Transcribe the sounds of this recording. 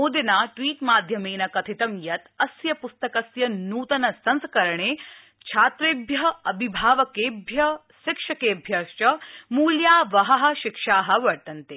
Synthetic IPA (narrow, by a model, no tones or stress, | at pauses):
uːd̪inaːʈʋiːʈmaːd̪ʱjɐmeːnɐkɐt̪ʰit̪ɐmjɐt̪ɐsjɐpust̪ɐkɐsjɐnuːt̪ɐnɐsɐnskɐɾɐɳeː | t͡ʃʰaːt̪ɾeːbʱjɐɦɐɐbʱibʱaːʋɐkeːbʱjɐ | ʃɪkʂɐkeːbʱjɐst͡ʃɐmuːljaːʋɐɦɐɦɐ̆ʃɪkʂaːɦɐ̆ʋɐɾt̪ɐnt̪e